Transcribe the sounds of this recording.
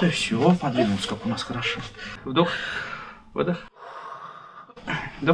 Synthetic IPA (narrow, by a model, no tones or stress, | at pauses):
t̪əfsʲɪvopɐd̪vʲinʊlˠsəkakʊnasxəɾɐʂovd̪ux | vɨ̰d̪ax | d̪ɐ